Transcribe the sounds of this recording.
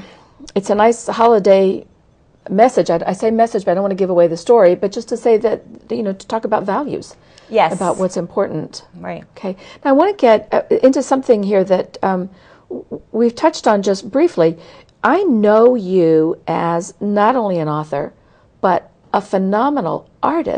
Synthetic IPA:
ɨtsɨnaɪshɑlˠədeɪ | mɛsɨd͡ʒaɪaɪseɪmɛsɨd͡ʒb̥ʌaɪõʊ̃nwɑ̃nɨɡɪvəweɪðɨstɔɹibʌt̚d̥ʒ̥ʌstʰɨseɪðɨt̪̚jɨnoʊɾɨ̥tʰɔkəbaʊtvælˠjʉ̰z̥ | jɛɨbaʊʔ̚wʌtsɨ̃mpʰɔɹʔn̩tɪokʰeɪnaʊaɪwɑ̃nɨɡɛɾɪ̃ntʉsʌ̃mθɪ̃ŋɦiɹðɨt̚ʌ̃m | wiv̥tʰʌt͡ʃtn̩d͡ʒʌst̚b̥ɹifli | ʔaɪnoʊjɨʔɨznəɾõʊ̃nliɨ̃nɔθə̰˞ | b̥ʌɾ | əfɨnɑmənl̩ˠ | ʔɑɹɾɨ̰

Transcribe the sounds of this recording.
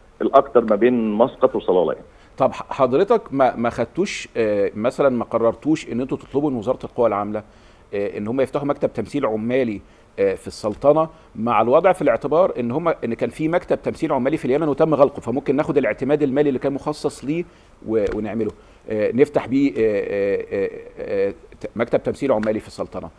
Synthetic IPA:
ʔelʔɑkt̪ɑɾˤmæbeːnmɑsqɑt̪wesˤɑlɑ̰ːlɑ̰j̰n | t̪ˤɑbħɑħɑd̪ˤɾet̪ɑkmæmæxæd̪̚t̪ːuːʃmæsælænmæqɑrˤːɑɾˤt̪uːʃʔenːʔent̪ot̪e̥t̪ˤlobuenwezɑːɾˤɑelqowːælʕamlæ | ʔḛnːhomːæjeft̪aħumækt̪æb̚t̪æmsiːlʕomːæːli | fisˤːɑlt̪ˤɑnɑ | maʕalwɑd̪ˤʕfileʕt̪ebɑːɾˤʔenːhomːæʔenːkæːnfiːmækt̪æb̚t̪æmsiːlʕomːæːlifiljæmænwet̪æmːɣælqofæmomkenːæːxod̪elʔeʕt̪emæːd̪elmæːlilːikæːnmoxɑsˤːɑsˤliː | weweneʕmelo | neft̪aħbiːʔ | mækt̪æb̚t̪æmsiːlʕomːæːlifi̥sˤːɑlt̪ˤɑnɑ̰

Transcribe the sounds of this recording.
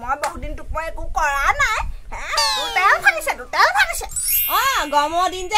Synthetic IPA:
mojbɔɦudintuk̚mɔjekukɔɹanajɦɛ̃tutɛʊ̃pʰalisɛtutɛ̃pʰalisɛɔ̃ɡɔmɔdinzɛ

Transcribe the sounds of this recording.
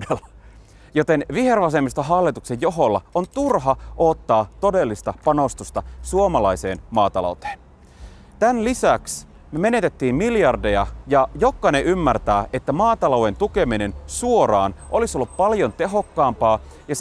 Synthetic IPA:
elːɑ | jot̪e̞nʋihe̞rʋɑs̬e̞mist̪ɑɦɑlːit̪uksejjo̞ɦolːɑont̪urɦɑʔoːt̪ːɑːt̪o̞de̞lːist̪ɑpɑno̞st̪ust̪ɑsuomɑlɑise̞̰ːnmɑːt̪ɑ̰lo̰wt̪e̥ːn | t̪ænlisæks | me̞ne̞t̪e̞t̪ːiːmmiljɑrdejɑjɑjo̞kːɑneʔymːært̪æːʔet̪ːæmɑːt̪ɑlowe̞nt̪uke̞mine̞nsuo̞ɾɑ̰ːnʔo̞lisolːuppɑljont̪eɦo̞kːɑːmpɑː | jɑs

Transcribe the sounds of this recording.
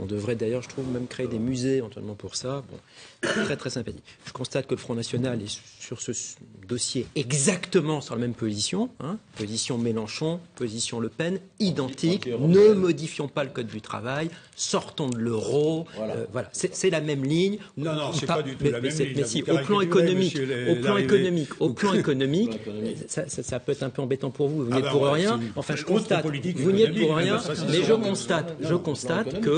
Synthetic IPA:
ɔ̰̃d̪əvʁɛd̪ajœʁʒət̪χuvmɛmkχeːd̪emyzeevɑ̃t̪ʰɥɛ̰lmɑ̃puʁsabɔ̰̃ | t̪χɛt̪χɛsɛ̃pat̪ikʒ̥əkɔ̃st̪at̪̚kələfχɔ̃nasjɔnalɛ | syʁsəd̪ɔsjeɛɡzakt̪əmɑ̃syʁlamɛmpozisjɔ̃ɛ̃pozisjɔ̃melɑ̃ʃɔ̃pozisjɔ̃ləpɛnid̪ɑ̃t̪ʰiknəmɔd̪ifjɔ̃paləkɔd̪ːyt̪χa̰vajsɔʁt̪ɔ̃d̪ələʁoø̰vwalasɛsɛlamɛmliɲ | pamɛmɛsɛmɛsiʔopl̃ekɔnɔmikoplɑ̃ekɔnɔmikoplɑ̃ekɔnɔmiksasasapøɛt̪χɛ̃pøɑ̃bet̪ɑ̃puʁvuvunɛt̪̚puʁʁjɛ̃ɑ̃fɛ̃ʒəkɔ̃st̪at̪vuniɛt̪̚puʁʁjɛ̃mɛʒəkɔ̃st̪at̪ʒəkɔ̃st̪at̪kə

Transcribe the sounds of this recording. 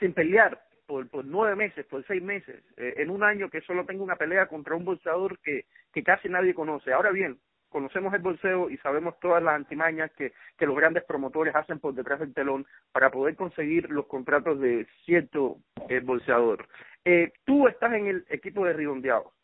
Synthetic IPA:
simpe̞ljaɾ | poɾpoɾnweβe̞me̞se̞spoɾsejzme̞se̞̰seʔenuŋãɲo̞ke̞so̞lot̪e̞ŋɡounape̞le̞ako̞nt̪ɾaumbo̞lseaðo̞ɾke | ke̞kasinaðje̞ko̞no̞se̞ao̞ɾaβje̞ŋ | ko̞no̞se̞mo̞se̞lbo̞lse̞oisaβe̞mo̞st̪o̞ðaslasant̪imãɲaskeke̞lo̞zɣɾand̪e̞spɾo̞mo̞t̪o̞ɾe̞sase̞mpo̞ɾðet̪ɾaɦðe̞lt̪e̞lo̞ŋ | paɾapo̞ð̞e̞ɾko̞nse̞ɣiɾlo̞sko̞nt̪ɾat̪o̞zðe̞sjeɾt̪o̞ | ebo̞lseað̞o̞ɾ | et̪ue̞st̪ase̞ŋe̞lekipo̞ðeriβõ̞nd̪ja̰ðo̰

